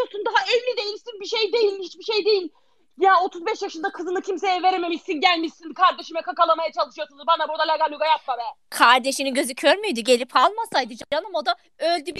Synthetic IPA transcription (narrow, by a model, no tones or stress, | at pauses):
osund̪aɦaɛlːʲid̪ejilʲsinbiʃejd̪e̞jilʲhit͡ʃbiʃe̞jd̪ejilʲ | jao̞t̪ʰuzbɛʃjaʃɯnd̪akʰɯzɯnɯcʰimse̞jɛve̞ɾeme̞miʃinɟælʲmiʃinkʰaɾd̪e̞ʃimɛkʰakalˠamajat͡ʃʰalˠɯʃɯjosunuzbanabuɾd̪alʲaɡalʲyɡajat̪̚babɛkʰaɾd̪e̞ʃiniɟø̞zycʰøɾmyjd̪iɟelʲipʰalˠmasajd̪ɯd͡ʒaɾanamod̪a | ølʲd̪yb